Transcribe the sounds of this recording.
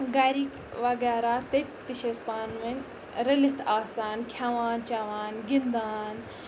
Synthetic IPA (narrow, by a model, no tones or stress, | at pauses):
ɡaːɾik | ʋɐɡɛːɾat̪et̪iʃespaːnʋɐn | ɾɐlit̪ʰaːsaːnkʲʰjaʋaːnt͡ʃaʋaːnɡind̪aːn